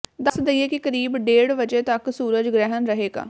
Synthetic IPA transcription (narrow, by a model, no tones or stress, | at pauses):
d̪əsd̪əiːeːkɪkəɾiːbɖeːɽʋəd͡ʒeːt̪əksuːɾəd͡ʒɡɾɛɦənɾəɦeːɡa̰ː